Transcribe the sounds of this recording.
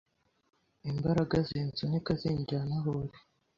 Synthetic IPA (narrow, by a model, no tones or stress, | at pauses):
imbaɾaɡazent͡sunekazeːɲɟɾanaɦoɾe